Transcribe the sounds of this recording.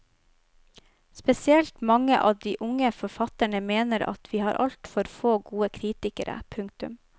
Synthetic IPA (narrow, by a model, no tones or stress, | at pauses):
spɛsɪɛlt̪mɑŋəʔɑːd̪iːʔʊŋəfɔɾfɑt̪əɳəmeːnəɾɑ̰t̪ʰʋiːhɑːɾʔɑ̰lt̪fɔɾfoːɡuːəkʰɾiːt̪ɪkə̰ɾə̰pʰʉŋk̚t̪ʉ̰m